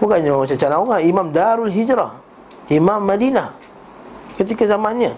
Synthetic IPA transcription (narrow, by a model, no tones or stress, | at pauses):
bukaʔɲaamat͡ʃat͡ʃanauŋaimamdaɾulɦid͡ʒɾah | imamːadinah | kət̪̬ikazamanɲa